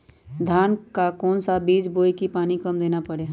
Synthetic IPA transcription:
d̪ʱaːnkakɔːnsabiːd͡ʒboːikipaːnikɐmd̪eːnapɐɽe

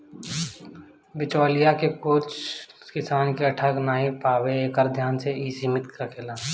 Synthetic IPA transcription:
bɪt͡ʃoːlijakekoːt͡ʃ | kɪsaːnkeəʈʰəknaːipaːweeːkəɾd̪ʱjaːnseiːsimɪt̪kakʰeːlaː

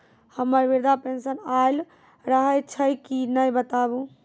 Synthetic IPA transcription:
həməɾbiɾd̪ʱapẽnsənael | ɾəɦəjt͡ʃʰəjkinəjbət̪abũ

